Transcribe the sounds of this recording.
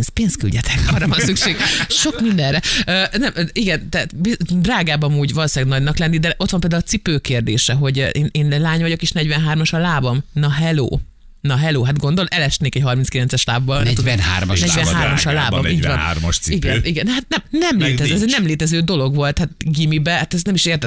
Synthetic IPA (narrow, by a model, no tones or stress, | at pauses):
nspeːnsky̰lɟɛt̪ʰɛkɔrɒvɒnsykʃeːɡʃo̞kmind̪ɛnrɛøːnɛmiɡɛnt̪ɛat̪bid̪raːɡaːbɒmuːɟvɒlosaːɡnɒɟnɒklɛnːid̪ɛʔo̞t̪ʋɒmpeːld̪aulːt͡ssipøːkeːrd̪eːʃɛɦo̞ɟeːneːnlaːɲʋɒɟo̞keːʃnɛɟʋɛnɦaːrmɒʃɒlaːbɒmnɒɦɛlo̰ː | nɒɦɛloːɦat̪ɡo̞nd̪olʔɛlɛʃt̪neːkɛcɦɒrminskilɛnt̪sɛʃlaːbːɒlnɛt̪unha̰ːrm̰ʃnɛɟvɛnaːrmɒʃɒlaːbɒmiːɟvɒ̰na̰rmɒ̰ʃsiiɡɛniɡɛnhat̪nɛmnɛmleːt̪ɛzɛzɛɟnɛmleːt̪ɛzøːd̪o̞lo̞ɡʋo̞lt̪hat̪̚ɡimibɛhat̪ɛznɛmiʃeːrt̪ɛ